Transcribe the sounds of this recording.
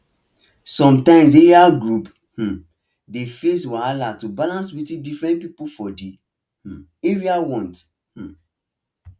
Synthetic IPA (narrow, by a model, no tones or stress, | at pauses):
sɔ̃mtãɪ̃ms̬eɹiaɡɹup | h̩ | defeswaalatubalãnswitĩdifɹɛ̃nt̚pipufɔde | h̩eɹiawɔ̃nt | h̩